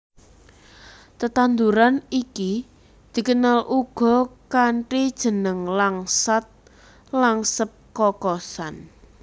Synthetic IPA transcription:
t̪ət̪and̪uɾaniki | d̪̥i̤kənalʔuɡ̥ɔ̤kaɳʈid̥ʒ̥ə̤nəŋlaŋsat̪̚ | laŋsəp̚kɔkɔsan

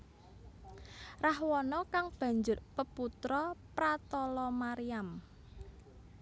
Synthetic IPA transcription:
rahwɔnɔkaŋb̥ä̤ɲd͡ʒʊrpəput̪ɾɔpɾat̪ɔlɔmaɾiam

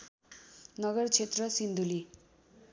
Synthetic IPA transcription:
nʌɡʌrt͡sʰet̪rʌsind̪uli

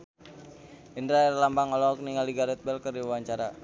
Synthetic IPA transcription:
indɾaɛrlambaŋɔlɔɔk̚niŋaliɡaɾɛt̪̚bɛlkərdiwawaɲt͡ʃaɾa

